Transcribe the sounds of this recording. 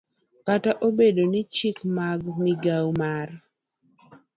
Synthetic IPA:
kataʔobedonɪt͡ʃɪkmaɡmɪɡawmar

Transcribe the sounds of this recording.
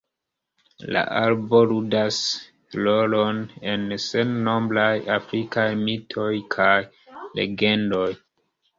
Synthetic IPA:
la̰ʔalbo̞ɾudas | lo̞lo̞ne̞nse̞nːo̞mblajafɾikajmitʰo̞jkʰaj | le̞̰ɡe̞ndo̞j

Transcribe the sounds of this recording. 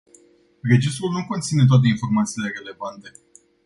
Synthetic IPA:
re̞d͡ʒis̬t̪ɾulnukont̪sinet̪oat̪e̞info̞rmat̪siːle̞re̞le̞vant̪e̞

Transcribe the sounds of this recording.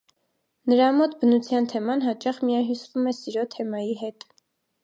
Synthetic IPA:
nəɾɑmɔt̪ʰbənut͡sʰjɑnt̪ʰɛmɑnɦɑt͡ʃɑχmijɑnɦisvumɛsiɾɔt̪ʰɛmɑjiɦɛt̪

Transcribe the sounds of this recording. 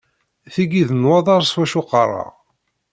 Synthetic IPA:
θiɡiðnwɑðˤɑɾˤswæʃuqɑrˤɑ̰

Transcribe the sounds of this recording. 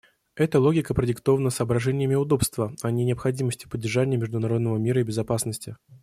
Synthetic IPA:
ɛt̪əlˠo̞ɡʲɪkəpɾədʲɪkt̪o̞vənəsəːbɾɐʐɛnʲɪjəmʲɪʊd̪o̞pst̪vəɐnʲɪnʲɪɐpxɐdʲiməsʲtʲɪ̥pədʲːɪrʐanʲɪjəmʲɪʐd̪ʊnɐɾo̞d̪nəvəmʲiɾəibʲɪzɐpasnəsʲtʲɪ

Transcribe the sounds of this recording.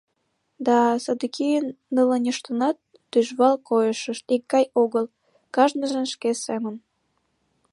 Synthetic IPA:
d̪ɑsɑd̪əkijənːələnʲəʃt̪ənɑt̪ːyʒβɑlkojəʃəʃt̪ikːɑjoɣəl | kɑʒnə̆ʒə̆nʃkesemən

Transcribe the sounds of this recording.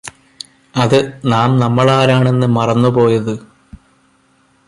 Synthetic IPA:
ɐðɨnaːmnɐmːɐɭaːɾaːɳe̞nːɨmɐrɐnːupo̞ːjɐðɨ

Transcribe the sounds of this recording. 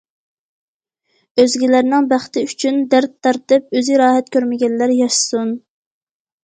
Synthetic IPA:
øzɡʲilæɾnɪŋbæχt̪ɪyt͡ʃʰynd̪æɾt̪ʰːɑɾt̪ɨp̚øziɾɑːɦɛt̪̚kʲʰøɾmɪɡʲɛnlæɾjɑʃsun

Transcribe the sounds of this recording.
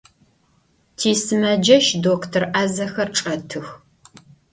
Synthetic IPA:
tʰiːsɨmɐd͡ʒɐʃdoːkʰtʰɐrʔaːzɐxɐrʈ͡ʂʼɐtʰɨx

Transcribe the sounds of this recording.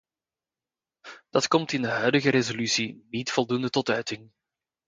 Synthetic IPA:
d̥ɑtkɔmtɪndəɦœɥdəɣəɾezolysinitfɔlˠdundətɔtœɥtɪŋ

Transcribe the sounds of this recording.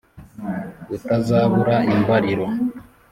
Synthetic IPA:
utazaːβuɾaimbaɾiɾo

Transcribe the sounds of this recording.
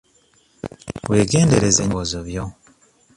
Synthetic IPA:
weːɡeːnde̞ɾezḛɲβozoβjo

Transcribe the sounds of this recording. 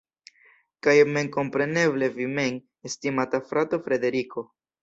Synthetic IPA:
kajme̞ŋko̞mpɾe̞ne̞ble̞vime̞ŋ | estimatafɾato̞fɾe̞de̞ɾiko̞

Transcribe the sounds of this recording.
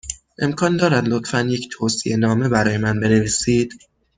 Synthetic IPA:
ʔe̞mkʰɒːnd̪ɒːɾæd̪lot̪ʰfænjecʰt̪ʰoːsiʔe̞nɒːme̞bæɾɒːje̞mænbe̞ne̞viːsiːd̪̥

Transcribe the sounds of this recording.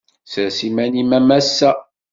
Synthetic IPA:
səsimænimæmæsːæ

